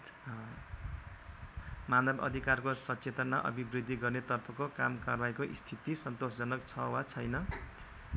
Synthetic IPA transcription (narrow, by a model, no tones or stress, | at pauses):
manʌbʌ̰d̪ʱikarkosʌt͡set̪ʌnmaʔʌ̰bibrid̪ʱːiɡʌrnet̪ʌrpʰʌkoka̰mkarbajkoʔḭst̪ʰit̪isʌnt̪osd͡zʌnʌkt͡sʰʌwat͡sʰʌjnʌ